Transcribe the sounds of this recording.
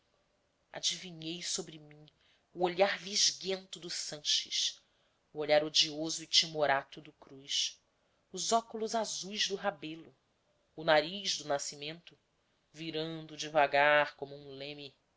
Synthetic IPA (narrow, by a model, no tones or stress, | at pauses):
a̰d͡ʒiviɲejsobɾimĩ | uoʎaɾviʒɡẽnt̪ʊd̪ʊsɐ̃ʃɪ̰ʃ | ʊoʎaɾod͡ʒiozʊɪt͡ʃimoɾat̪ʊd̪ʊkɾujʃ | ʊzɔkulʊzazujzd̪ʊɦabelʊː | naɾijʒd̪ʊnasimẽnt̪ʊ | viɾɐ̃d̪ʊd͡ʒɪvaɡaɾkõmʊũlẽmi